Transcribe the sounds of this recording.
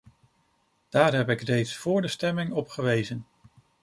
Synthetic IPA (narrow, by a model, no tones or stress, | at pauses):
d̥aːɹɦɛpɪkrejtsfʊːɹdəstɛmɪŋɔpχəʋejzən